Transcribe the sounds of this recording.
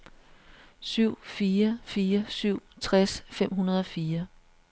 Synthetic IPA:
syʊ̰fiːɐfiːɐsyʊ̰t͡sʰʁasfem̰ɦunɐð̞ˠɒ̽fiːɐ

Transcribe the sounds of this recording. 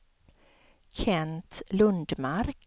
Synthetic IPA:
kʰɛnt̪lɵnd̪maɾk

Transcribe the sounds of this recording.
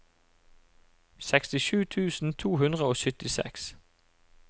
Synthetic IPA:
sɛkst̪ɪʃʉːt̪ʰʉːsn̩t̪ʰuːɦʉnd̪ʁəoːsʏt̪ɪsɛ̰ks

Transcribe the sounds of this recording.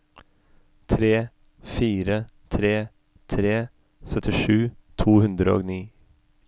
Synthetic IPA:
t̪ʰɾeː | fiːɾə | t̪ʰɾeː | t̪ʰɾeː | sœt̪ʰɪʃʉːt̪ʰuːhʉnd̪ɾəo̰ːɡniː

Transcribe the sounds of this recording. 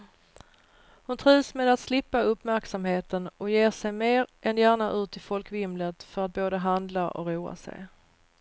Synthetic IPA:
hʊnt̪ʰɾiːsmeːd̪at̪slɪpːaɵpmæɾksamheːt̪ənɔjeːʂɛjmeːɾʔɛnjæːɳaʔʉ̟ːt̪ʰɪfɔlkvɪmlət̪fœɾat̪̚boːd̪əɦand̪laʔɔ̰ɾuːa̰sɛ̰j

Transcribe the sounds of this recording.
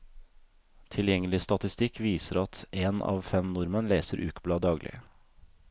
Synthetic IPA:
t̪ʰɪljɛŋəlɪst̪ɑt̪ɪst̪ɪkʋiːsəɾɑt̪eːnɑ̰ːʋfɛmnʊɾmənleːsəɾʔʉːkblɑːd̪ɑːɡlʔɪ̰

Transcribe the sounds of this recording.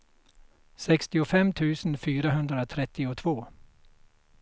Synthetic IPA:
sɛkst̪ɪʊfɛmːt̪ʰʉ̟ːsənfyːɾaɦɵnd̪ɾat̪ʰɾɛt̪ʰːɪʊt̪ʰvoː

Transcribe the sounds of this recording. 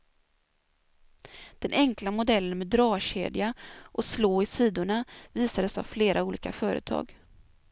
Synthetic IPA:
d̪̥ɛnʔɛŋklamʊd̪ɛlːənmeːd̪ːɾɑːɕḛːd̪ɪaʔɔsloːɪsiːd̪ʊɳaviːsad̪əsa̰vfleːɾʔauːlḭːkafœːɾə̰t̪ʰɑ̰ːɡ

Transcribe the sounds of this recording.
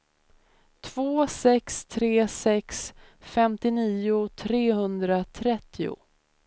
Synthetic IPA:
t̪ʰv̥oːsɛkst̪ʰɾeːsɛksfɛmt̪ɪniːʊt̪ʰɾeːɦɵnd̪ɾat̪ʰɾɛt̪ʰːɪʊ̰

